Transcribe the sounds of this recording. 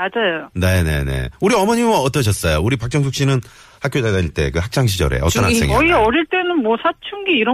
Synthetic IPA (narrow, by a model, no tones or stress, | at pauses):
mad͡ʑajone̞ne̞̰ne̞̰uɾiʌmʌɲiaʌt͈ʌɕ̬ʰʌs͈ʌjouɾipak̚t͡ɕ͈ʌŋs̬ʰuk̚ɕ͈inɯn | hak͈ʰjod͡ʑadaiɭt͈e̞̰kɯhak̚t͡ɕ͈aŋɕʰid͡ʑʌ̰ɾe̞̰ʌtʌnɦakseŋḭʌiʌɾiɭt͈e̞nɯnmwʌsʰat͡ɕʰuŋɡiːɾʌ